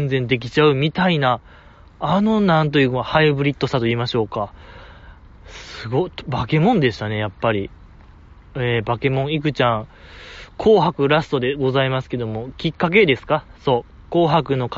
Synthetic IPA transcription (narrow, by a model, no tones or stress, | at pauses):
nd͡zẽnd̪e̞k̬ʲi̥t͡ɕaɯ̟mʲit̪ainaː | no̞nãnt̪̬o̞jɯ̟mahaibɯ̟ɾʲit̪ːo̞sat̪o̞iːmaɕo̞ːka | sɨɡobake̞mõ̞nd̪e̞ɕi̥t̪ane̞japːaɾʲi | eːbake̞mõ̞ɰ̃ik̬ɯ̟t͡ɕãŋ | kʰo̞ːɦakɯ̟ɾasɨ̥t̪o̞d̪e̞ɡo̞zaimasɨ̥ke̞d̪o̞mo̞kʲikːak̬e̞d̪e̞sɨ̥kaso̞ː | ko̞ːɦakɯ̟no̞k